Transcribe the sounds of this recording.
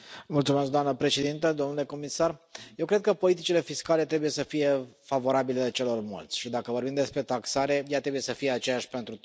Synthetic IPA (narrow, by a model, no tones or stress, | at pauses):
mult̪sumesk̚d̪oamnəpɾe̞ʃe̞d̪int̪əd̪omnuleko̞misarjewkɾe̞d̪̚kəpo̞lit̪it͡ʃile̞fiskale̞t̪ɾe̞buje̞səfije̞favo̞ɾabilelet͡ʃe̞lo̞rmo̰lt̪sʲʃid̪akəvo̞rbimd̪e̞spɾe̞t̪aksaɾe̞jat̪ɾe̞buje̞səfijeat͡ʃe̞jaʃʲpe̞nt̪ɾu